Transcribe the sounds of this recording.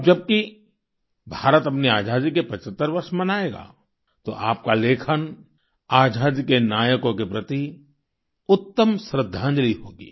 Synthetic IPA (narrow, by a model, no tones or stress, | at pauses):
d͡ʒɐb̚ki | bʱaːɾət̪ɐpniaːd͡ʒaːd̪ikepɐt͡ʃət̪ːəɾʋɐɾʃmɐnaːeːɡa̰ː | t̪o̰ʔaːp̚kaleːkʰən | aːd͡ʒʱaːd̪ikenaːjəkõkepɾɐt̪i | ʊt̪ːəmsɾɪd̪ʱːãːɲd͡ʒəliɦoːɡḭː